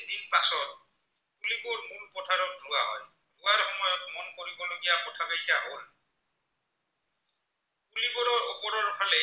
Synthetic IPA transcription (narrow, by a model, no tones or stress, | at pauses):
dikpasɔt̚ | puliboɹmulpɔtʰaɾɔdɹuaɦɔ̰j | buaɾhɔmɔjɔtmɔnkoɾibɔloɡijapɔtʰabajtaɦowa̰ | pulibɔɾɔɹɔpɔɾɔɾɔtʰale